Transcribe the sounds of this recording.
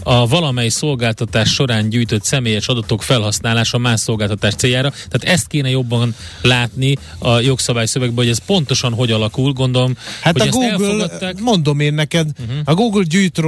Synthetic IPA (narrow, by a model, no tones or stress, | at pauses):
ɒvɒlɒmɛjso̞lɡaːlt̪ɒt̪aːʃːo̞ɾaːɲɟuːjt̪o̞t̪sɛmeːjɛʃɒd̪ɒt̪o̞kfɛlɦɒsnaːlaːʃɒmaːʃso̞lɡaːlt̪ɒt̪aːʃt̪seːjaːɾɒt̪ɛaːt̪ɛst̪̚keːnɛjo̞bːɒn | laːt̪ni | ɒjo̞ksɒbaːjsøvɛɡbɛɦo̞ɟɛspo̞n̪t̪o̞ʃɒnɦo̞ɟɒlɒkulɡo̞nd̪o̞lo̞mhathoɒɛɡuːɛlɡfolɒt̪ːaːmo̞nd̪o̞meːnːɛkɛd̪ɒɡuːɡlɟyːjt̪r